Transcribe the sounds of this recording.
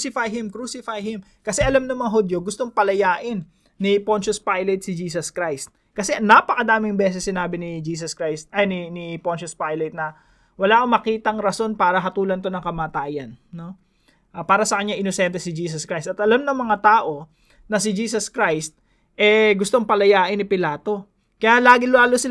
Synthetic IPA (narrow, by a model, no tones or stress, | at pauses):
sɪfajɦɪmkɾuːsɪfajhɪm | kɐsɛʔɐlamnɐŋmɐŋaɦod̪joɡʊst̪o̞ŋpɐlɐjaːʔɪnː | ɪpont͡ʃospajlɐt̪̚sɪd͡ʒiːsɐskɾajst̪̚ | kɐsɛnɐpɐkɐd̪aːmɪŋbɛːsɛsːɪnaːbɪnɪd͡ʒiːs̬ɐskɾajst̪̚ɐnɪnɪpont͡ʃospajlɐt̪̚nɐ | wɐlaːʔkomːɐkiːt̪ɐŋɾɐso̞npaːɾɐɦɐt̪uːlɐnt̪o̞nɐŋkɐmaːt̪aːjɐnno̞ | ʔapaːɾɐsɐkɐɲːaʔɪnosɛnt̪ɛsɪd͡ʒiːsɐskɾajst̪ɐt̪ʔɐlamnɐŋmɐŋat̪aːʔo̞ | nɐs̬ɪd͡ʒiːs̬ɐskɾajst̪̚ | ʔɛɡʊst̪o̞ŋpɐlɐjaːʔɪnːɪpɪlaːt̪o̞ | kɐjalaːɡɪlaːlosɪ